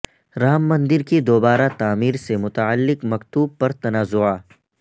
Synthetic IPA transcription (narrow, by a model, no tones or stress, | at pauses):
ɾaːɦmːɐ̃nd̪ɪɾkid̪oːbaːɾat̪aːmiːɾsemʊt̪aəlːɪkmɐkt̪uːb̚pɐɾt̪ɐnaːzʊaː